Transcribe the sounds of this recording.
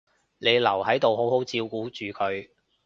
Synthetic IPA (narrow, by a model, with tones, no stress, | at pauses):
ne˨˧jlɐ˨˩whɐ˨˥jt̪o˨wɦo˨˥who˨˥wt͡siː˧wkuː˨˥t͡ʃyː˨kʰɵ˨˧ɥ